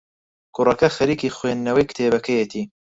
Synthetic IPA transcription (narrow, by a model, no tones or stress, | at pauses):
kʰʊrɐkɐxɐɾiːkiːxweːnːɐwɐjkt̪ʰeːbɐkʰɐjet̪ʰiː